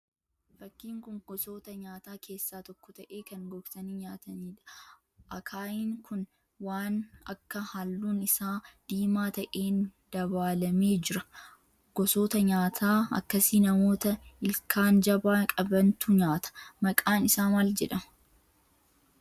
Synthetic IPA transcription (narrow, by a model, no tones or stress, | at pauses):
fɐkːiːŋkʊŋɡ̥ɔso̞ːt̪ɐɲaːt̪aːkʰe̞ːsːaːt̪ɔkːɔt̪ɐʔe̞ːkɐŋɡɔɡtɐniːɲaːt̪ɐniːᶑɐ̥ | ʔɐkʰaːjiːŋkʰʊn | waːnɐkːɐhalːuːnɪsaːd̪̥iːmaːt̪ɐʔeːnd̪̥ɐβaːlɐme̞ːd͡ʒɪɾɐ | ɡ̥ɔso̞ːt̪ɐɲaːt̪ʰaːɐ̰kːɐsiːnɐmo̞ːt̪ɐɪlkʰaːnd͡ʒɐbaːkʼɐbɐnt̪uːɲaːt̪ʰɐ̥mɐkʼaːnɪsaːmaːld͡ʒɛᶑɐmɐ̥